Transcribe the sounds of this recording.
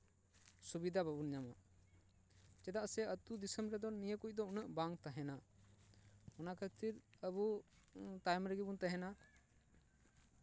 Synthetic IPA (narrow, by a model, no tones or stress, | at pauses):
subid̪ʱababunɲama̰ | t͡ʃɛd̪aʔsɛət̪ud̪isəmbɾɛd̪ɔnijəkuc̚ˀd̪ɔunəʔbaŋt̪aɦɛna | ɔnakʰət̪iɾəbu | t̪ajmɾəɡibunt̪aɦɛna